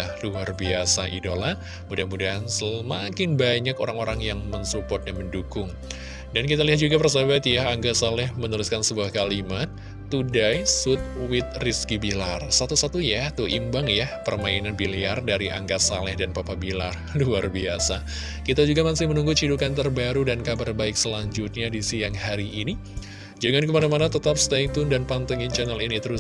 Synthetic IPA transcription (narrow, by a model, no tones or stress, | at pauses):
ahluarbiasaʔḭdola | mudahanmudaɦansəmakɪnbaɲakoɾaŋoɾaŋjaŋmənsupɔt̪̚ɲaməndukʊŋ | dankit̪aliat̪̚d͡ʒuɡapərs̬abat̪jaaŋɡasalɛhmənulɪskansəbuahkalimat̪̚ː | udaisʊt̪̚wɪt̪̚riskibilarsat̪usat̪ujat̪uimbaŋjapərmainanbiliardaɾiʔa̰ŋɡasa̰lɛhdanpapabila̰r | luarbia̰sa | kit̪ad͡ʒuɡamasɪmənuŋɡut͡ʃidukant̪ərbaɾudankabarbaɪk̚səlaɲd͡ʒʊt̪̚ɲadisijaŋɦaɾiʔːni | d͡ʒəŋankəmanamanat̪ət̪ap̚st̪ait̪ʊndanpant̪ɔŋint͡ʃɛnalinit̪əɾʊ